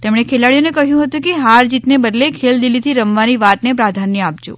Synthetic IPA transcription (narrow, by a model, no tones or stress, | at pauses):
t̪emɳ̃ekʰelaɭjonekəɦjũɦət̪ũkeɦaɾd͡ʒit̪nebəd̪lekʰeld̪ilːit̪ʰiɾəmʋaniʋat̪nepɾad̪ʱanːjəap̚d͡ʒo̰